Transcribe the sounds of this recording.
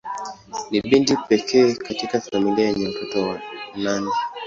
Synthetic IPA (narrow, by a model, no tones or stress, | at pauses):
niɓindipɛkʰɛːkatikafamiliajɛɲɛm̩tʰɔtɔwananɡi